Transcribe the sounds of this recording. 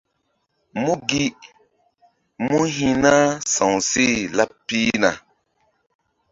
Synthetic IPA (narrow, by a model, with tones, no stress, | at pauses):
mu˦ɡi˦ | mu˦ɦĩ˦na˦sã˨ŋsi˦˨la˦pːi˦na̰˨